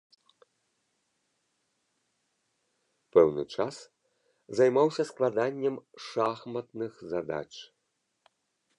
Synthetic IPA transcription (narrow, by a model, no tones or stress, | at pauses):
pɛwnɨ̰t͡ʂas | zajmawsʲɐsklˠad̪anʲːɛmʂaxmɐt̪nɨxzad̪a̰t͡ʂ